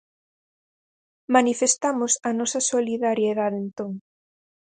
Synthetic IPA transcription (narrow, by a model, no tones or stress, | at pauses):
manifest̪amʊsɐnɔsɐsoliðaɾjeðaðent̪oŋ